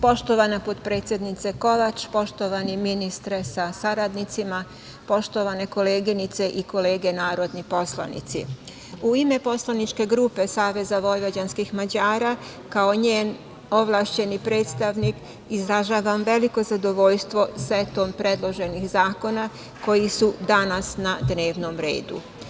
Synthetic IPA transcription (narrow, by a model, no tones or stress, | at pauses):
po̞ʃt̪o̞ʋanapot̪pɾe̞ːt̪sje̞d̪nit̪seko̞ʋat͡ʃpo̞ʃt̪o̞ʋaniminist̪ɾesasaɾad̪nit̪sima | po̞ʃt̪o̞ʋane̞ko̞le̞ːɡinit̪se̞ʔiko̞le̞ːɡe̞naːɾo̞d̪nipo̞sla̰nḭt̪sḭ | uime̞po̞slˠanit͡ʃke̞ɡɾuːpe̞saːʋe̞zaʋo̞jʋad͡ʑanskixmad͡ʑaːɾa | kao̞ɲeːn | o̞ʋlˠaʃt͡ɕe̞nipɾeːt̪st̪aʋnik | izɾaʒaːʋamʋe̞liko̞zad̪o̞ʋo̞ʎst̪ʋo̞sʋet̪ompɾe̞d̪lˠo̞ʒe̞nixzaːko̞na | ko̞jisud̪anasnad̪ne̞ːʋno̞mɾe̞̰ːd̪ṵ